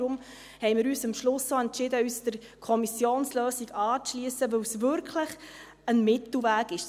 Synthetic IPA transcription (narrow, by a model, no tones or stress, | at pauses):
ɾʊm | hɛɪmɪːɾyːsəmʃlʊsoɛntt͡ʃɪdəyːsd̥əɾ | kʰɔmisjoːnsløːsiɡɑːt͡sʃliəsəʋɵwsvʏɾkʰləχ | ənmɪt̪l̩væːɡɪʃ